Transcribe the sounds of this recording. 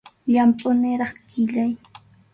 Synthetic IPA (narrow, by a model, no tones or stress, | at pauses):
ʎampʼʊnɪɾɑχkɪʎaj